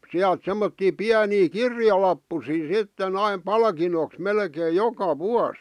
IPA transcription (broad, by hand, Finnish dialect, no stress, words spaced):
siælt semːotːiː piæniː kirjɑlɑpːusiː sitːen ɑim pɑlkinoks melkeːj̆ jokɑ ʋuɑs